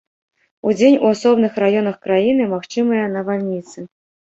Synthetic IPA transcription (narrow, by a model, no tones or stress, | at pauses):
ud͡zʲenʲuasɔbnɨxrajɔnɐxkɾajin̪ɨmaxt͡ʂɨmɨjɐnɐvalʲnʲit̪sɨ